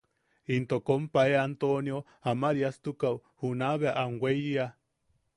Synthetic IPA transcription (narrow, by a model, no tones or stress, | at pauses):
int̪okompaeant̪onjo | amaɾiast̪ukawhunaβeaʔaŋwʷejia